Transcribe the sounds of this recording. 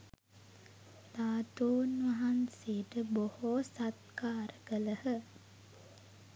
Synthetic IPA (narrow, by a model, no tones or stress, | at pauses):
laːt̪uːnʋɐɦanseʈəbohosat̪kaːɾəɡələhə